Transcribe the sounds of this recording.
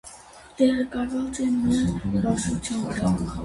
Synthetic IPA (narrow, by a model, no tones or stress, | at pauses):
t̪ɛʁɛkɑvɑt͡sɛmɛzbɑʃut͡sʰjɑnkʰɑ